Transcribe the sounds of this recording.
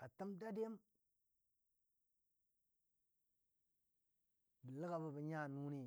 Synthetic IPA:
a˨tə˦mda˦de˦m | bi˨lə˦ɡa˨bə˦bi˨ɲa˦˨nu˦ni˦

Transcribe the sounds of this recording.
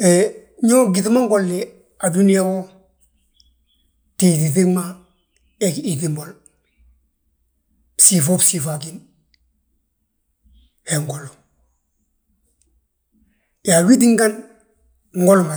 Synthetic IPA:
eɲo˦ɡi˨tma˦ŋ˦ɡolːi | a˨du˦nija˦ko˦ | ti˨ti˨θi˦ma˦ | eki˨timbol | psi˨fo˦psi˨fa˨kin | he˨ŋɡo˨lo | ja˨wi˦t̬i˦ŋɡa˦n | ŋɡo˦lma˨

